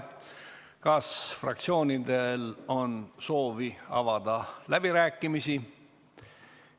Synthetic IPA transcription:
kɑsfrɑ̰kt̪sio̞ːnʲid̪e̞lo̞nso̞ːviɑ̰vɑd̪ɑlæb̥iɾæːkːˑimisi

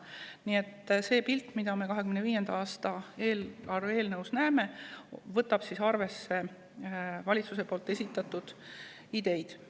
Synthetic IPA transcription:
niːe̞t̪ːse̞ːpilt̪ːˑmid̪̥ɑme̞kɑɦe̞kymneviːje̞nd̪̥ɑɑːst̪ɑe̞ːlɑre̞ːlnɤwsnæːme̞vɤt̪ːˑɑb̥sisɑrve̞sːe̞ | vɑlʲit̪suse̞po̞ːlt̪ːe̞sʲit̪ːˑɑt̪ːud̪̥ | id̪̥e̞jd̪̥

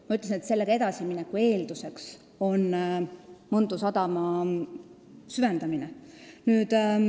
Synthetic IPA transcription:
mɑyt̪ːˑlesinet̪se̞lːeɡɑe̞d̪ɑsiminɛkːˑue̞ːld̪̥use̞ks | o̞nː | mɤnd̪usɑd̪ɑmɑ | syvend̪ɑminenyːd̪̥

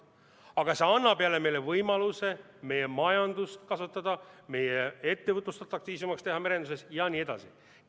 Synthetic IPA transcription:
ɑɡ̥ɑse̞ɑnːɑpeɑle̞me̞jle̞vɤjmɑluse̞ | me̞je̞mɑjɑnd̪ust̪kɑsut̪ːˑɑd̪̥ɑme̞jee̞t̪ːe̞vɤt̪ˑlust̪ɑt̪ːˑɑkt̪iːs̬umɑkst̪e̞ɦɑmeɾed̪use̞sjɑniːe̞d̪̥ɑ̰si

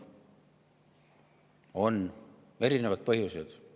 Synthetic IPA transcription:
o̞n | e̞ɾine̞vɑd̪̥̚pɤɦjused̪̥

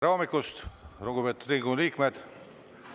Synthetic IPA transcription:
ɾoːmikːˑust̪roɡ̥upet̪ːˑud̪ɾiŋɡuliːkmed̪̥

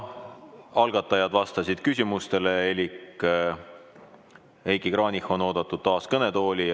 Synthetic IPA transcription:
ɑlɡ̥ɑt̪ːˑɑjɑd̪vɑst̪ɑsʲid̪̥̚kysʲimust̪e̞leelʲikː | ejkikrɑːnihˑo̞no̞ːd̪̥ɑt̪ːˑud̪̥t̪ːɑːskɤne̞t̪o̞ːlʲi

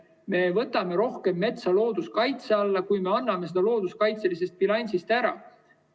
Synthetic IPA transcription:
me̞vɤt̪ːˑɑme̞ɾo̞hke̞mːe̞t̪sɑlo̞ːd̪̥uskɑjt̪se̞ɑlːɑkujme̞ɑnːɑmesed̪̥ɑlo̞ːd̪uskɑjt̪se̞lise̞st̪̚pilɑnʲsist̪æɾɑ̰

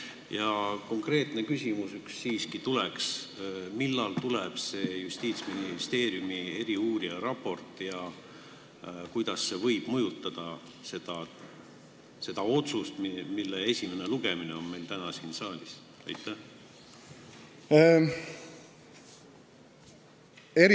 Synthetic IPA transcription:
jɑko̞ŋkre̞ːt̪ˑne̞kysʲimusyksːiːskit̪uleksmilːɑlt̪uleb̥se̞ːjusʲt̪iːt̪sminist̪e̞ːɾjumie̞ɾiuːɾiɑɾɑpːˑo̞rt̪ˑjɑ | kujd̪̥ɑsːe̞vɤ̞jb̥mɤjut̪ːˑɑd̪̥ɑ | se̞d̪̥ɑ | se̞d̪̥ɑo̞t̪sust̪milːee̞sʲime̞ne̞luɡ̥e̞mine̞o̞nme̞jlt̪ænɑsinsɑːlʲis | ɑ̰jt̪ːˑæh | eɾ

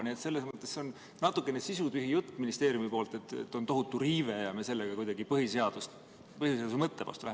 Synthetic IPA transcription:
niet̪se̞lːesmɤt̪ˑːe̞sːeo̞n | nɑt̪ːˑukːˑe̞ne̞sisut̪yɦijut̪ːminist̪e̞ːɾjumipo̞ːlt̪e̞t̪ːḛt̪ːˑo̞nt̪o̞ɦut̪ːˑuɾiːve̞jɑmese̞lːeɡ̥ɑkujd̪ɑɡipɤɦiseɑd̪̥ust̪ | pɤhjuseɑːd̪usmɤt̪ːevɑ̰st̪ulæhe

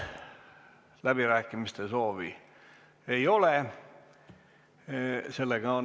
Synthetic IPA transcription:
læb̥iræːkːimist̪esoːʋḭ | eiole | selːeɡ̥ɑo

